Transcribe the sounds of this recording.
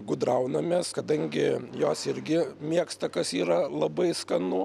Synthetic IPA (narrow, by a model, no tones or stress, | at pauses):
ɡʊd̪ɾɐʊnɐmʲeːskɐd̪ɐŋʲɡʲɪjoːsɪɾʲɡʲɪmʲiɛkst̪ɐkɐsiːɾɐlˠɐbɐɪskɐnʊ